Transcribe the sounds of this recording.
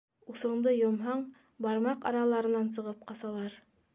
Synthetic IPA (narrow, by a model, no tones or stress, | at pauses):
usɤ̆ɴd̪ɤjŏmɦɑɴ | bɑɾmɑqɑ̰ɾɑlˠɑɾɤ̆nɑns̬ɤ̆ʁɤp̚qɑsɑlˠɑɾ